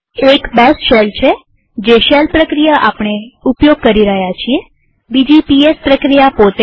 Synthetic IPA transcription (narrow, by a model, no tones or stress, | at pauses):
ekbɛsʃelt͡ʃʰe | d͡ʒeʃɛlpɾəkɾijaʔapɳ̃eupjoɡ̚kəɾiɾəɦjat͡ʃʰie | bid͡ʒipiespɾəkɾijapot̪e